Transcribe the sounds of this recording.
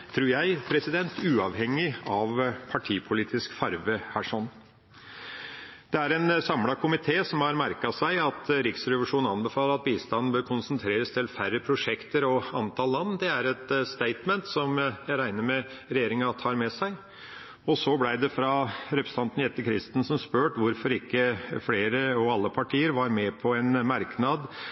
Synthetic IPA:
t̪ʰɾuːɾjæɪpʰɾɛsɪd̪ɛnt̪ʰʉːɑʋhɛŋːɪɑʋpʰɑʈʰiːpʰʊliːt̪ɪskfɑɾʋəhæːʂɔnː | d̪̥ɛæɾɛnsɑmlɑkʰʊmɪt̪ʰeːsɔmhɑɾmæɾkɑsæɪɑt̪ɾɪksɾɛʋəʂuːn̩ɑnbɛfɑːləɾɑt̪̚biːst̪ɑnːn̩bøːɾkʰʊnsnt̪ʰɾeːɾəst̪ʰɪlfærːəpʰɾʊʂɛkt̪əɾɔɑnt̪ʰɑːllɑnːd̪ɛæɾɛt̪st̪eɪt̪mɛnt̪sɔmjæɪɾæɪnəɾmɛ | ɾɛjeːɾɪŋɑt̪ʰɑːɾmɛsæɪ | ɔsɔblæɪd̪ɛfɾɑɾɛpɾə̥st̪ɑnt̪nɛt̪ːəkʰɾɪst̪n̩sɔmspøːʈʋʊɾfɔɾɪkːəfleːɾəɑʋɑlːəpʰɑʈʰiːəɾʋɑɾmɛpʰɔɛnmɑɾknɑd̪

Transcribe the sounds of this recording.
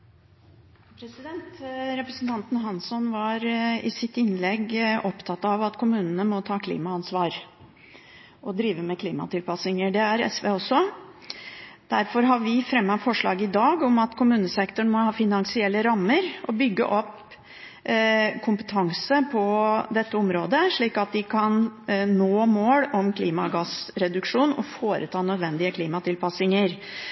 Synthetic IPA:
pʰɾɛsɪd̪ɛnt̪ɾɛpɾəsənt̪ʰɑnt̪n̩ɦɑnsɔnʋɑɾɪ̰sɪt̪ɪnːlɛɡɔpt̪ʰɑt̪ːɑʋɑt̪kʰʊmʉːnənəmɔt̪ʰɑːkʰlḭːmɑɑnsʋɑːɾ | ʔɔd̪ɾiːʋəmɛkʰliːmɑ̰t̪ʰɪlpɑsɪŋəɖ̪ɛæɾɛ̰sʋeːɔsːɔ | d̪̥æɾfɔɾɦɑʋɪfɾɛmːɑfɔʂɭɑ̰ːɡəɪd̪ɑːɡɔmɑt̪kʰʊmʉːnəsɛkt̪ʊɳ̩mɔhɑːfɪnɑŋsɪɛlːəɾɑmːəɾʔɔbʏɡːə̰ʔɔpː | kʰʊmpə̥t̪ʰɑŋsəpʰɔd̪ɛt̪ːəɔmɾoːd̪əʂɭiːkɑt̪̚d̪ɪkʰɑnnoːmoːɽɔmkʰliːmɑɡɑsɾɛd̪ʉkʂuːnɔ̰foːɾʔə̰t̪ʰɑːnœd̪ʋɛnd̪ɪəkʰliːmɑt̪ʰɪlpɑsɪŋəɾ

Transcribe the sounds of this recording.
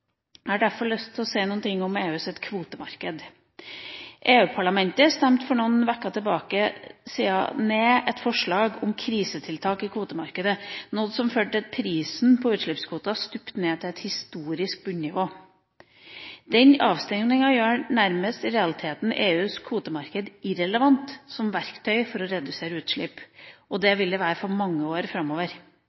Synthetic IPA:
hæːɖæɾfɔɭœst̪ʰːlɔseːnuːnt̪ɪŋːɔmeːʉːsɛt̪kʰʋuːt̪əmɑɾkəd̪ | ʔeːʉːpʰɑɭɑmɛnt̪əst̪ɛmt̪fɔɳuːnʋækːɑt̪ʰɛlbɑːkəsiːɑ̰neːɛt̪fɔʂɭɑːɡɔmkʰɾiːsət̪ʰɪlt̪ʰɑːkɪkʰʋuːt̪əmɑɾkəd̪ənɔd̪sɔmfød̪əpʰɾiːsn̩pʰɔʉːt̪ʂɭɪpskʰʋuːt̪ɑst̪ʉpt̪neːt̪ʰɪlɛt̪hɪst̪uːɾɪsk̚bʉɲnɪʋoː | d̪ɛnɑːʋst̪ɛŋnɪŋɑjøːnæɾməst̪ɪɾɛɑlɪt̪ʰeːt̪n̩ʔeːʉːskʰʋuːt̪əmɑɾkəd̪ɪɾɛləʋɑnt̪sɔmʋæɾkt̪ʰœʏfɔɾɔɾɛd̪ʉseːɾəʉːt̪ʂɭɪpʔɔd̪ɛʋɪld̪əʋæːɾəfɔɾmɑŋːəoːɾfɾɑmːoːʋəɾ

